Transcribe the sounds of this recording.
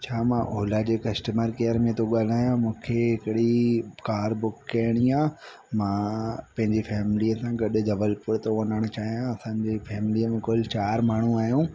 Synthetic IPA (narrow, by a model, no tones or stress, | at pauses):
t͡ɕʰaːmãʔoːlad͡ʑeːkɐsʈəməɾkeːjəɾmẽt̪ʰoɠaːl̤aːjãmũːkʰeɦɪkɪɽikaːɾbʊkːɐjəɽ̃iãː | mãpɐ̃ɦɪ̃ɲd͡ʑefɛːmɪliəsãɡɐɗʊd͡ʑɐʋəlpʊɾt̪oʋɐnəɽ̃ʊt͡ɕaːɦijãɐsãɲd͡ʑefʰɛːmɪliəmẽkʊlt͡ɕaːɾmaːɳ̤ũaːɦijũ